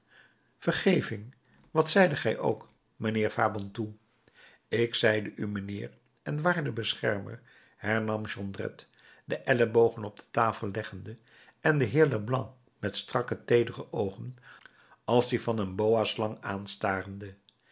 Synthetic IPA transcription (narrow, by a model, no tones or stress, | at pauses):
fəɹχejvɪŋ | ʋɑtsɛjdəχɛjʔo̰wk | mənɪːɹfaːbɔntu | ɪksɛjdəʔymənɪːr | ɛnʋaːɹdəbəsχɛɹmə̰ɹ | hɛɹnɑmʒɔndrɛ̰t | dəʔɛləbowχənɔb̚d̥ə̥taːfəlˠlɛχəndə | ɛndəɦɪːɹləblɑ̃ŋ | mɛtstrɑkətejdərəʔowχən | ɑlˠzdivɑnənbowaslɑŋaːnstaːrəndə